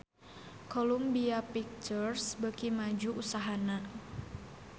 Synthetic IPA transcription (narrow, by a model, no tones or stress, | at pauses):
kolumbiapik̚t͡ʃursbəkimad͡ʒuʔusaɦana